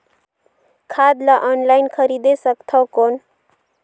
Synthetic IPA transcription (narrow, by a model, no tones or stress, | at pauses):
kʰad̪laʔɔnlajnkʰʌɾid̪esʌkt̪ʰʌkon